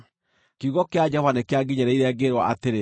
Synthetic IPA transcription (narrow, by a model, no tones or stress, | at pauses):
kuɣɔkead͡ʒɛhwanekeaɡiɲaɾɛiɾɛɡeɾwaʔateɾe